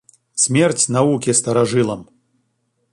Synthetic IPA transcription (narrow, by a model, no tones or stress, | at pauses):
sʲmʲɛrt͡sʲnavukʲist̪ɐɾaʐɨlˠɐm